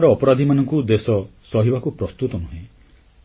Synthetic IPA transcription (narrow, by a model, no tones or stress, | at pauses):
ɾɔːpɔɾad̪ʱimanɔŋkud̪esɔsɔɦibakupɾɔst̪ut̪ɔnuɦẽ